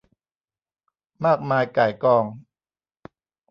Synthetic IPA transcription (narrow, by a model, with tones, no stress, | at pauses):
maː˥˩k̚maː˧jkaː˨˩jkɔː˧ŋ